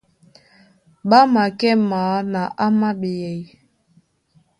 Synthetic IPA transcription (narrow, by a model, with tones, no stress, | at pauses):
ɓa˦ma˨kɛ˦maː˨˦na˨ʔa˦ma˦ɓe˨jɛ˨j